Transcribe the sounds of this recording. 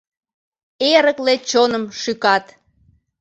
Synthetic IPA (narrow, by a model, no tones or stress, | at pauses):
eɾəklet͡ɕonəmʃykɑt̪